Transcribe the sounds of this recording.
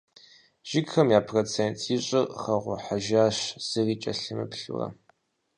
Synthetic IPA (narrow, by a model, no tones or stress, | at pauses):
ʒ̥ɪɡxɐmjaːpʰroːt͡sʰeːntʰiɕʼɪχɐʁʷʊħaʒaːɕz̥ɨriːt͡ʃʼɐɬɨmɨ̰pɬṵrɐ̰